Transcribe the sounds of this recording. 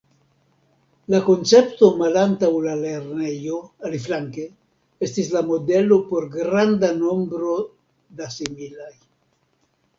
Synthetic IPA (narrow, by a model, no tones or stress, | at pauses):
lakont͡sept̪omalant̪awlaleɾnejoaliflaŋke | est̪islamod̪elopoɾɡɾand̪ano̞mbɾo | d̪asimilaj